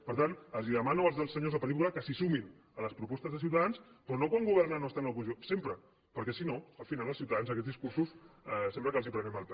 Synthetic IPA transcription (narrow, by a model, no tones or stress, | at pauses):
pəɾt̪anəlziðəmanoəlzðəlˠsəɲozðəpəlikulakəsisumin | ələspɾupɔst̪əzðəs̬iwt̪aðanspɾɔnokwaŋɡuβɛɾrnanost̪anəlˠkunʒunsempɾə | pəɾkɛsinoəlˠfinalˠəlˠsiuwt̪aðanzəkɛt̪zðiskuɾsussɛmpləkalzipɾəmɛmalp